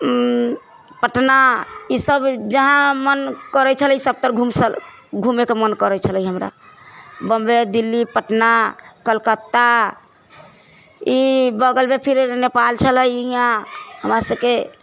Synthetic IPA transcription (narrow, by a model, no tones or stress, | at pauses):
pəʈnaisəbd͡ʒəɦãmənkəɾɛt͡ʃʰəlisəb̚t̪əɾɡʱumsəl | ɡʱumekemənkəɾət͡ʃʰələiɦəmɾa̰ | bəmbed̪ilːipəʈnakəlkət̪ːa | ibəɡəlbepʰiɾnepalt͡ʃʰələjijãhəmɾasəbke